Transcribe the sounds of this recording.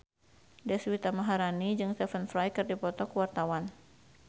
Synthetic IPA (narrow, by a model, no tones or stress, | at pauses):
dɛswit̪amaɦaɾanid͡ʒɨŋst̪ɛfənfɾajkɨrdipɔt̪ɔkuwart̪awan